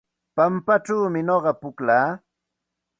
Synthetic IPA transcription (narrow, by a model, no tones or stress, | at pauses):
pampaʈ͡ʂawmɪɲoɢɑpʊklaː